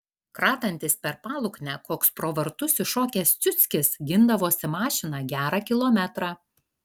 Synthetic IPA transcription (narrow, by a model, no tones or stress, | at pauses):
kɾɑːt̪ɐnʲt̪ʲɪspʲɛɾpɑːlˠʊknʲækoːkspɾoːʋɐɾt̪ʊsʲɪʃoːkʲɛːst̪sʲʊt̪sʲkʲɪsɡʲɪnd̪ɐʋoːsʲɪmɑːʃʲɪnɑːɡʲæːɾɑkʲɪlˠoːmʲɛt̪ɾɑː